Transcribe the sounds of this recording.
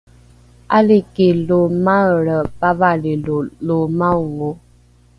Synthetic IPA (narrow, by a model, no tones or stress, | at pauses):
alikelomaɾəpabalelolomaŋo